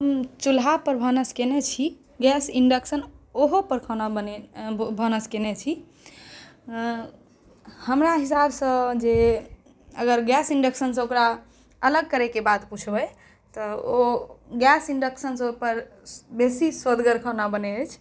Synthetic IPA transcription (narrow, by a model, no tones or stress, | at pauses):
ɦəmt͡ʃulɦapəɾbʱənəskenet͡ʃʰi | ɡɛsiɖəksənoɦopəɾkʰənabənebʱənəskenet͡ʃʰi | həmɾaɦisabsə̃d͡ʒe | əɡəɾɡɛsiɳɖəksənsə̃okɾa | ələɡ̚kəɾekebat̪put͡ʃʰbə | t̪ɔoɡɛsiɳɖəksənspəɾ | besiswəd̪ɡəɾkʰənabənɛət͡ʃʰ